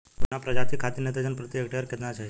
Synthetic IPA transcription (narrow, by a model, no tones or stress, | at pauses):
kunapɾəd͡ʑat̪ʰikʰat̪inet̪əd͡ʑənpɾət̪jəkɖeəɾket̪nat͡ɕaɦ